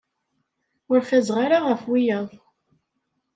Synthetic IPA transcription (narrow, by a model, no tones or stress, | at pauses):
ʊɾfæzʁaɾaʁəfwijæðˤ